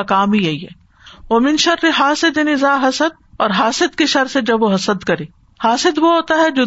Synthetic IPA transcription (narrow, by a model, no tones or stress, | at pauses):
kaːmijɐiɛ̰ː | omɪnʃɐɾːiɦaːsɪd̪ɪnɪzaːɦɐsəd̪̚ | ɔːɾɦaːsɪd̪kiʃɐɾsed͡ʒɐbʋoɦɐsəd̪kɐɾeː | haːsɪd̪ʋoɦoːt̪aɦɛd͡ʒoː